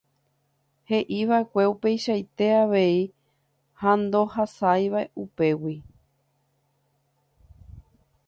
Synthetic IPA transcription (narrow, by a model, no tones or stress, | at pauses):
he̞ʔiʋaekʷe̞upe̞jʃajt̪e̞aʋe̞i | hãnd̪o̞hasajʋaeʔupe̞wi